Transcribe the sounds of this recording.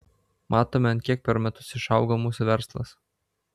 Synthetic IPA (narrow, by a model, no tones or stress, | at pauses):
mʔɑːt̪oːmʲɛɐnt̪kʲiɛk̚pʲɛɾmʲɛt̪ʊsɪʃɑʊɡomuːsʊʋʲɛɾslˠɐ̰s